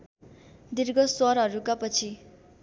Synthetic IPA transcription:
d̪irɡʌswʌɾɦʌɾukapʌt͡sʰi

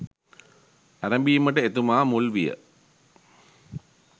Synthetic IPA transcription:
æɾɐmbiːmɐʈɨet̪umaːmulʋijə̰

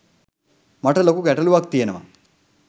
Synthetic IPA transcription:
mɐʈɐlɐkukɛʈɐluʋaːk̚t̪ienɐma̰

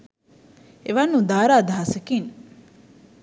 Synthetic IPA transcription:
eʋanːud̪aːɾaːd̪aɦɐsekiŋ

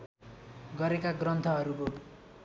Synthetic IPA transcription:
ɡʌɾekaɡrʌnt̪ʰʌɦʌɾuko

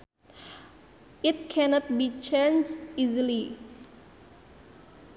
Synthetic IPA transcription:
it̪̚kʰɛnɔt̪̚bit͡ʃenizili

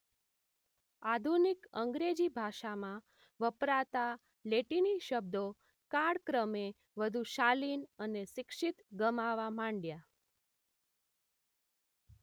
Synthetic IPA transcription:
ad̪ʱunikəŋɡɾed͡ʒibʱaʃamã | ʋəpɾat̪a | leʈiniʃəb̚d̪o | kaɽkɾəme | ʋəd̪ʱuʃalinəneʃɪkʂit̪ɡəmaʋamãɳɖja

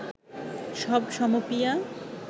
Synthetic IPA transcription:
ʃɔbʃɔmopija

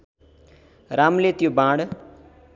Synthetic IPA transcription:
ɾaːmlet̪jobãːɽ

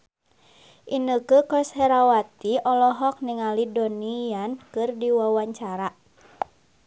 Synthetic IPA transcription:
ʔinəkəkɔshɛɾawat̪iɔlɔɦɔk̚niŋalidɔnijankɨrdiwawaɲt͡ʃaɾa

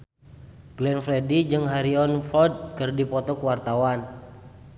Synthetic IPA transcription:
ɡ̥lɛnfɾɛdid͡ʒɨŋɦaɾiɔnfɔd̪̚kɨrdipɔt̪ɔkəwart̪awan

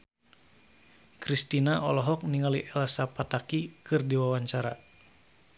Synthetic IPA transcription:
kɾist̪inaʔɔlɔɦɔk̚niŋaliʔɛlsapat̪akikɨrdiwawaɲt͡ʃaɾa

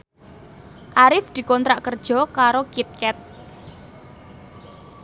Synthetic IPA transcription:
ʔaɾɪfd̪̥i̤kɔnt̪ɾaʔkərd̥ʒ̥ɔ̤kaɾokit̪̚kɛt̪̚

